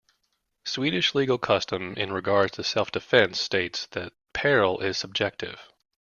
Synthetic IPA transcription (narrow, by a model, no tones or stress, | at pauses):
swiɾɨʃliɡl̩ˠkʰʌstə̃mɪ̰̃nɹɨɡɑɹdtʰɨsɛlˠfd̥ɨfɛ̃nsteɪtsðɨt̚pʰɛɹl̩ˠɪz̥səb̚d͡ʒɛk̚tɪ̰v̥